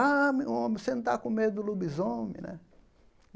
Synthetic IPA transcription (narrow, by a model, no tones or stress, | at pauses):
amĩõmẽsẽnũt̪a̰kõmed̪ʊd̪lubizõmɪ̰̃nɛ̰